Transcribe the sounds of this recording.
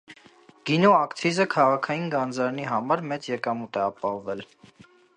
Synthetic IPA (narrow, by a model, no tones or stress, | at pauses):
ɡ̥inɔɑkt̪ʰizəkʰɑʁɑkʰɑjinɡɑnd͡zɑɾniɦɑmɑɾmɛt͡sjɛkɑmut̪ɛɑpɑhɔvɛl